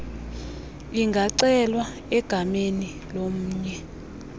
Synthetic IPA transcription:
iŋɡʱaǀɛlwa | ɛɡ̥ʱameni | lom̩ːɲɛ

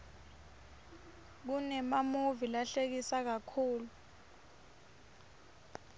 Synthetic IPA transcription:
k̬unɛmamuvilaɬek̬isak̬akʰuːlu

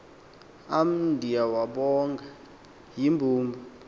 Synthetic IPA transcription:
am̩ndʱijawaɓɔŋɡʱa | jimbʱuːmbʱɔ

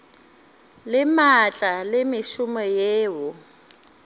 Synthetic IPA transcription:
lɪmat͡ɬʼalɪmɪʃʊmɔjeːwʊ

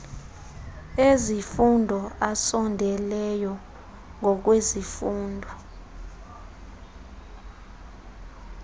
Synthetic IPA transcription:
ezifundʱɔʔasɔndʱɛlɛjɔ | ŋʱɔk̬wezifuːndʱɔ

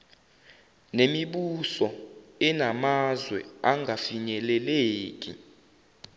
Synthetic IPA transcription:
nemiɓusɔɛnamazwɛ̰aŋɡʱafiɲɛlɛleːk̬ʼḭ

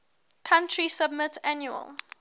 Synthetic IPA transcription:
kʰãntʰɹisəb̚mɪtʰanjuə̰lˠ

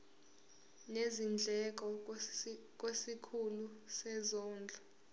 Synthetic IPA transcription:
nezind͡ɮʱɛk̬ɔ | k̬ʼwesikʰulusɛzɔːnd͡ɮʱɔ

